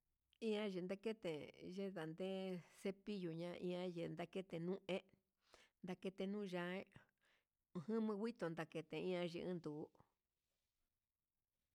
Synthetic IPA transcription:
ĩ˦ã˦ʒe˨nd̪a˦ke˦t̪e˨ʒe˦ða˨nd̪ẽ˦se˦pi˦ju˨ɲã˧ʔḭ̃˧ã˦je˧˨nd̪a˦˧ke˦t̪e˧nũ˦ʔẽ˦ | nd̪a˧ke˧t̪e˧nũ˦˧ʒã˧˦e˦˧˨ | hɨ̃˦mɨ̃˧wʷi˦t̪o˨nd̪a˨ke˧t̪ẽ˨ĩ˦ã˧ʒḛ˧ʔɨ̰̃˦nd̪u˨˦

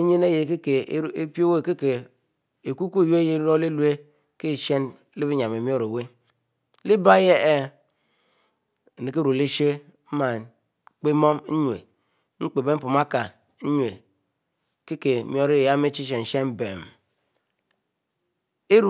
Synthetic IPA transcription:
i˦ɲe˦ne˦je˨ke˦ke˨˦e˦pi˦o˦we˦˨ke˦ke˨ | e˨ku˦ku˦e˨jje˦ɾɾo˦le˦lu˦e˦ | ke˦˨ʃe˦n˦ | li˦bi˦ɲ˨a˨me˨mi˦o˦ɾo˨we˦ | li˦ba˦je˦e˦˨ | ne˨ke˦ɾu˨li˦ʃe˦ | m̩˦ma˨ | k͡pe˦mo˦m˦ɲʷ˨ḛ˨ | ŋ͡m̩˦k͡pe˨be˦m̩˦pu˨ma˦ka˨˦ | ɲwe˨ | ke˦ke˨mi˦o˦ɾi˦˨ja˦me˦t͡ʃi˦ʃ̬e˨n̩˨ʃe˦m˦be˨m˨ | e˦ɾu˨˦

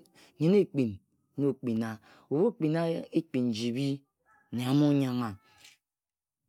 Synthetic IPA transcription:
ɲi˨ne˦k͡pi˨n˦ | o˦˨k͡pi˨na˨ | u˨βo˦k͡pi˨na˦e˦k͡pi˨n˨d͡ʒi˨bi˦˨ | ne˨a˨mo˦ɲa˦ŋa˨

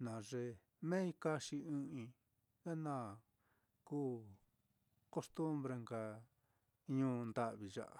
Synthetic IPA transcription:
nã˨ʐe˧ | mẽ˦i˧ka˦ʃi˧ɨ̃˦ĩ˧ | ða˦nã˦˨ | kuː˦ | ko˦st̪u˦mbɾe˧ŋɡa˧ | ɲũː˧˦nd̪a˧ʔβi˨ʒa̰˧ʔa̰˨

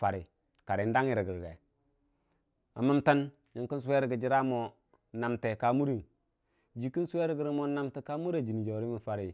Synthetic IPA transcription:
fa˨ɾi˨ | ka˨ɾi˨˦n˦da˦ŋi˨ɾi˨ɡi˨ɾɡḛ˨ | a̰˨mə˦mta˦n | ji˨ŋki˦n˦s̬u˦we˦ɾə˨ɡə˨d͡ʒi˦ɾa˦mo˨ | na˨mte˨ka˨˦mu˦ɾi˨ | d͡ʒi˨ki˦n˦su˦we˦ɾi˦ɡi˨ɾi˦mo˦na˦mte˨ka˦mu˦ɾa˦˨d͡ʒi˨ni˨d͡ʒo˨ɾi˦mi˨fa˨ɾi˨

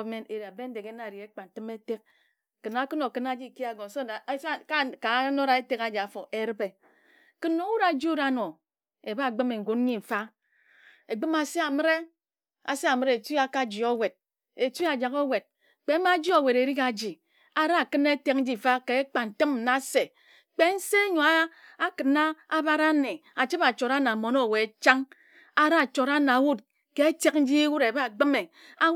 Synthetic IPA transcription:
me˦ne˨ɾa˨be˦n̩˦de˨ke˦na˦˨ɾi˨e˦k͡pa˨n̩˨tɨ˦me˦te˦k̚ | kɨ˨na˦kɨ˦no˨kɨ˦na˦d͡ʒi˦˨ki˦a˨ɡo˨so˦˨˦ka˦ka˨˦no˦ɾa˨e˦te˦ka˦d͡ʒa˨fo˨ʔe˦ɾɨ˦be˨ | kɨ˦nːo˦wu˦ɾa˨˦d͡ʒi˦u˦ɾa˦no˨ | e˨ba˦˨ɡ͡bɨ˦me˨ŋ̩˨ɡu˨˦n˦ɲi˦˨fa˦ | e˨ɡ͡bɨ˦ma˨se˦a˨mɨ˦ɾe˦ | a̰˨se˦a˨mɨ˦ɾe˨ti˦a˨ka˦d͡ʒi˨o˦we˨d̚ | e˨ti˦a˨d͡ʒa˨ko˦we˨d̚ | k͡pe˨˦ma˦d͡ʒi˦o˨we˨ɾe˨ɾi˦ka˨d͡ʒi˨ | a˦ɾa˦a˨kɨ˦ne˦te˦k̚n̩˦d͡ʒi˦˨fa˦ke˨e˦k͡pa˨n̩˨tɨ˦m̩˨na˨˦se˨ | k͡pe˦n̩˦se˦ɲo˨a˦ | a˦kɨ˨na˦a˦ba˦ɾa˦ne˨a˨t͡ʃi˦pa˨t͡ʃo˨ɾa˦na˨mo˨no˦˨we˨t͡ʃa˦ŋ | a˦ɾa˦˨t͡ʃo˨ɾa˦na˨wu˦t̚ | ke˦e˦te˦kn̩˦d͡ʒi˦e˦wu˦ɾe˨ba˦˨ɡ͡bɨ˦me˨ | a˦

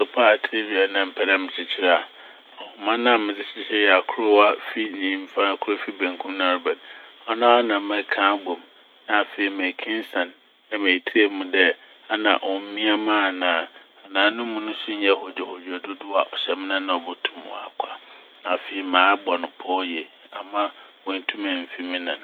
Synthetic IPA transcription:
sʊ˨pʰa˦a˨tʰe˦bi˨a˨nã˦m̩˨pʰɛ˨lã˦mɪ̃˨t͡ɕʰɪ˨t͡ɕʰɪ˦ɾa˦˨a˨ | ɔ˨hʊ˨mã˦nã˦˨mɪ̃˨d͡zɪ˨ɕɪ˦ɕɛ˦jɛ˨a˨kʰʊ˦ɾʊ˦wa˦fi˦nĩː˦m̩˦fã˦a˨kʰʊ˦ɾo˦fi˦bæ̃˨ŋkʰũ˦mnã˨ɾʊ˨bɛ̃˨nɔ˦nã˦a˦nã˨mã˦kʰãː˦bo˨m | nã˨fe˨i˨mæ̃˨kʰĩ˦n˦sã˨n | a˦˨mẽ˨tʰi˦e˦mũ˨dɛ˦ | a˦nã̰˨ʔɔ̃˨m̩˦mĩ˦a˦mãː˦˨nãː˨ | a˨nãː˨˦nʊ̃˦mũ˦nʊ̃˦sʊ̃˦ɲ˦ɛ˦˨hɔ˨d͡ʑᶣɛ˨ho˨d͡ʑɛ˨dʊ˦dʊ˦a˨ʔɔ˨ɕɛ˨m˦nã˦nã˨ɔ˨bʊ˦tʰũ˨m̰˨a̰˨kʷʰa˨ | nã˨fe˨i˨mãː˨˦bɔ˨nʊ̃˨pʰɔ˦jɛ˨ | a˨mã˦wɔ̃˨n̩˨tʰũ˦mɛ̃˨m̩˨fi˦mĩ˦nã̰˨n˨

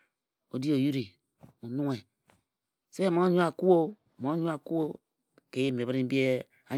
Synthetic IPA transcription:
o˨di˦o˨ju˦ɾi˨ | mu˨nu˦ŋe˨ | se˦mo˦ɲu˦a˨ku˦o˦˨ | mo˨˦ɲu˦a˨ku˦o˦ | ke˨˦e˦˨me˨bɾi˦bi˦e˦ | a˨˦

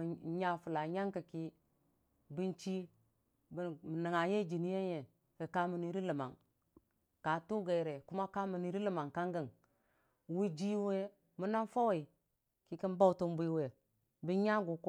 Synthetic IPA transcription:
ɲa˦fu˨la˨ɲa˦ŋkə˨ki˦ | bi˦nt͡ʃi˦ | bm˨nə˨ŋa˨je˦d͡ʒi˨ni˦je˦je˨ | kə˨ka˦mu˨ni˦ɾi˦lə˨ma̰˨ŋ | ka˨tu˦ɡe˨i˨ɾe˨ku˦ma˦ka˦mə˨ni˨˦ɾi˦lə˨ma˨ŋka˦ŋɡə˦˨ŋ | wu˦d͡ʒi˦we˦ | mu˦na˦nfa˦wa˨i˨ | ki˨˦ki˦nba˦u˨tu˦mbi˦we˨ | bi˦ɲa˦ɡu˨k

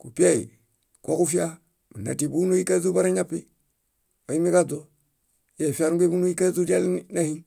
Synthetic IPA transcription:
ku˨pi˦a˦˨ḭ | ko˦ku˦fi˦a˦ | bu˨na̰˨ti˨bu˦no˦ji˦ka˦zu˦ba˦ɾa˦ɲa˦pːi˦ | o˨i˦mi˦ka˦do˦ | je˨fi˦a˦ɾuŋɡe˦bu˦no˦i˦ka˦zu˦di˦a˦lna˦hi˦n

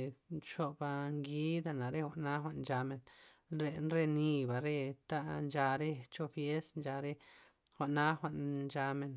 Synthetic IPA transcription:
t͡ʃo˦˧ba˧ŋɡi˦d̪a˧na˨ɾe˦xʷa˧ʔna˦xʷa˧ʔd͡ʒa˧me˧nɾe˧˨nɾe˧ni˧ba˨ɾe˧t̪a˦˧nd͡ʒa˧ɾe˦t͡ʃo˦fje˦snd͡ʒa˧ɾe˦ | xʷa˨ʔna˦xʷa˧ʔnd͡ʒa˧me˧n

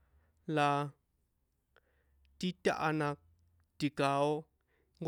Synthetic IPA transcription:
la˨ | ti˦ta̰˦ʔa˦na˨ | ti˨ka˨˦ɔ˦ | ŋɡ

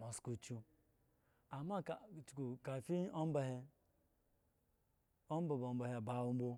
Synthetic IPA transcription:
mo˨sku˨t͡ʃu˦ | a˨ma˦kt͡ʃu̥˨ku˨ka˨fi˦o˦m˦ba˨he˦ | o˦m˦ba˨bo˨m˦ba˨he˨ba˦˨wu˦m̩˦bo˦

